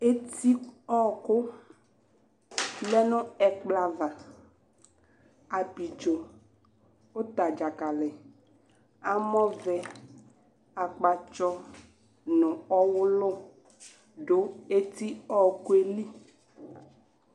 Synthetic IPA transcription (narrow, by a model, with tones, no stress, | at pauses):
e˦t̪i˦ɔ˦kʊ˦ | bɛ˦nʊ̃˦ɛ˨k͡pla˨va˨ | a˨bi˨d͡ʒɔ˨ | o˦t̪a˨d͡ʒa˨ka˨lɛ˨ | a˦mɔ̃˦vɛ˨ | a˨k͡pa˨t͡ʃɔ˦ | nʊ̃˨ɔ˦wʊ˦lʊ˦ | ɖo˦e˦t̪i˦ɔ˦kʊ˦e˦li˦